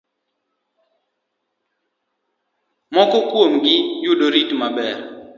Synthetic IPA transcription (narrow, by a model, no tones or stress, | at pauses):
mɔkɔkwomɡɪjʊdoɾitmabɛr